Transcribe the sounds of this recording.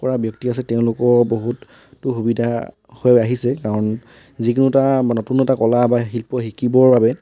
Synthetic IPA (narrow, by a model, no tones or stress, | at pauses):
kɔɹabjɔktias̬ɛtɛʊ̃lʊkɔboɦutː | uxubidʱa | hojaɦisɛkaɹɔn | zikunutanɔtunɔtakɔlabaɦilpɔɦikibɔɹbabɛ